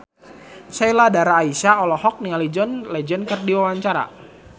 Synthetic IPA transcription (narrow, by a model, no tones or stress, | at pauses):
sailadaɾaːisaɔlɔhɔk̚niŋalid͡ʒɔnlɛd͡ʒɔnkɨrdiwawaɲt͡ʃaɾa̰